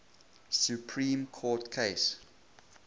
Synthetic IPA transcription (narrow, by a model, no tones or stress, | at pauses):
sjupʰɹĩːmkʰɔːtkʰeɪs